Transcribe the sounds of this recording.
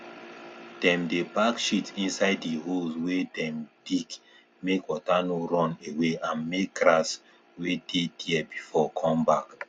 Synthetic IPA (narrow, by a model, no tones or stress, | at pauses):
d̥ɛ̃mdepakʃitĩnsaɪdiɦoswedɛ̃md̥ik | mekwɔtanoɹɔ̃neweʔãnmek̚ɡɾas | wedediɛbifɔkʰɔ̃mbak